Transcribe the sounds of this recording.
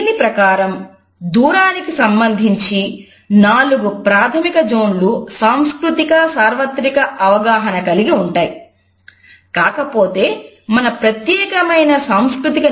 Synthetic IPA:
nipɾɐkaːɾɐm | d̪uːɾaːnikisɐmbɐnd̪ʱiɲt͡ʃi | naːluɡupɾaːt̪ʰɐmikɐd͡ʒo̞ːnlusaːmskɾut̪ikɐsaːɾʋɐt̪ɾikɐɐʋɐɡaːɦɐnɐkɐliɡiuɳʈaːji | kaːkɐpo̞ːt̪e̞ː | mɐnɐpɾɐt̪jɛːkɐmɐjnɐsaːmskɾut̪ikɐ

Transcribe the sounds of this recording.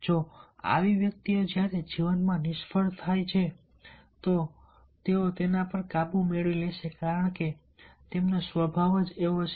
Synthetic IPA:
d͡ʒoa̰ʋiʋjək̚t̪iod͡ʒjaɾed͡ʒiʋənmãnɪʃpəɭt̪ʰajt͡ʃʰe | t̪o | t̪eot̪enapəɾkabũmeɭileʃekaɾəɳke | t̪emnosʋəbʱaʋəd͡ʒeot͡ʃ

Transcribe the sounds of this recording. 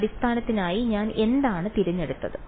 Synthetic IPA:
ɽist̪ʰaːnɐt̪ːinaːjiɲaːne̞nd̪aːɳɨt̪iɾuɲːe̞ɽut̪ːɐðɨ

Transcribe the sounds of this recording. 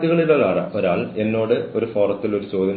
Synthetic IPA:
iɣɐɭiloɭaːrɐ̰ʔoɾaːɭe̞nːo̞ːɽɨo̞ɾufo̞ːrɐt̪ːilo̞ɾut͡ɕo̞ːd̪ʱɐn

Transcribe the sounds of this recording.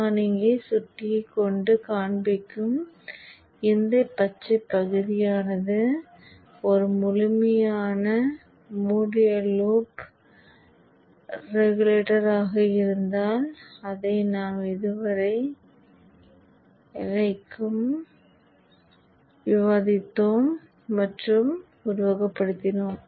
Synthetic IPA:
anɪŋɡɐsʊʈːɪjkːɔɳɖɯkaːɳbɪkːɯm | ɪnd̪ɐɪpːɐt͡ʃːɐpːɐɣɯðɪjaːnɐðɯ | ɔɾɯmʊlʊmɐjaːnɐ | muːɽɪjɐluːp | ɾɛɣʊleːʈɐɾaːɣɐɪɾɯnd̪aːlɐðɐɪnaːmɪðɯʋɐɾɐɪ | ɪlɐɪkːɯm | ʋɪʋaːðɪt̪ːoːmː | ɐʈrɯm | ʊɾʊʋɐɣɐpːɐɽɯt̪ːɪnoːm

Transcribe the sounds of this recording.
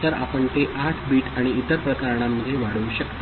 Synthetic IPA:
t̪əɾa̰pəɳt̪eʔaʈʰbiːʈaɽ̃iːt̪əɾpɾəkəɾɳ̃amːəd̪ʱːjeʋaɽuuɕəkt̪

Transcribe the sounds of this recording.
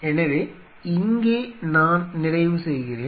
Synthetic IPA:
enːɐʋe | iŋɡenaːnnɪɾɐjumsejkːɐɾeː

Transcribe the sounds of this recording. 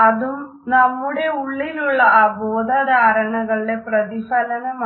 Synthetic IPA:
ɐd̪u | nɐmːuɽeuɭːiluɭːɐaːbɔːd̪ʱad̪ɐːɾɐɳɐɡɐɭːepɾɐd̪ifɐlɐnem

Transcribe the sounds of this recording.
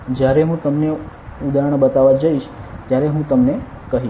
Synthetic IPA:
d͡ʒjaɾeɦũt̪əmne | ud̪aəɳ̃bət̪aʋad͡ʒəiʃt̪jaɾeɦũt̪əmne | kəɦiʃ

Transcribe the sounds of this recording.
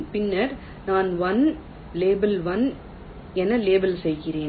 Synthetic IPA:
pɪnːɐɾ | naːnʋɐn | leːbɐlʋɐn | ɛnːɐleːbɐlsɛjɣɪreːn

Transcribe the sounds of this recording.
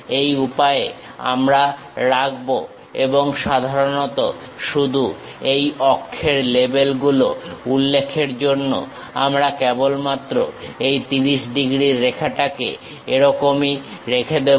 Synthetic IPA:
ejupae | a̰mɾa | ɾaɡbo | eboŋʃad̪ʱaɾonɔt̪o̰ | ʃud̪ʱu | ejɔkʰːeɾlebelɡuloulːekʰeɾd͡ʑonːo̰ | amɾakɛbolmat̪ːɾo̰ejt̪iɾiʃɖiɡɾiɾːekʰaʈakḛ | eɾɔkomiɾekʰed̪e

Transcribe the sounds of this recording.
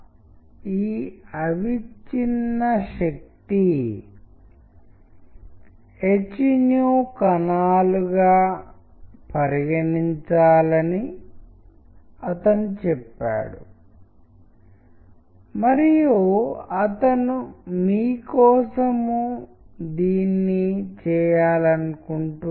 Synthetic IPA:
iːɐʋit͡ʃinːɐʃɐk̚t̪i | et͡ʃinjoːkɐnaːluɡaː | pɐɾiɡɐniɲt͡ʃaːlɐni | ɐt̪ɐnut͡ʃɛpːa̰ːɽṵ | mɐɾijuɐt̪ɐnumiːkɔːsɐmu | d̪iːnːit͡ʃɛːjaːlɐnukuɳʈu

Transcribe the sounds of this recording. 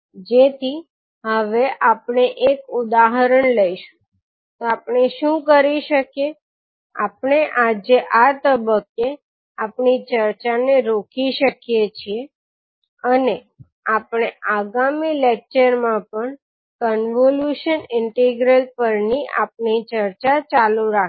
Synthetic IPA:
d͡ʒet̪ʰi | ɦəʋeʔapɳ̃eʔekʊd̪aɦəɾəɳləiʃũ̥ | t̪oapɳeʃũkəɾiʃəkje | a̰pɳeʔad͡ʒeʔat̪əbəkːe | apɳit͡ʃəɾt͡ʃaneɾokʰiʃəkijet͡ʃʰie | əne | apɽ̃eʔaɡamilek̚t͡ʃəɾmãpəɳ | kənʋoljuʃənɪɳʈiɡɾəlpəɾniʔa̰pɳit͡ʃəɾt͡ʃat͡ʃaluɾak

